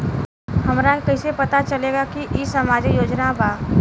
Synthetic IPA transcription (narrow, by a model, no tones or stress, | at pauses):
ɦɐmɾakɐisepɐt̪at͡ʃəleːɡakiʔisəmaːd͡ʒjoːd͡ʒnabaː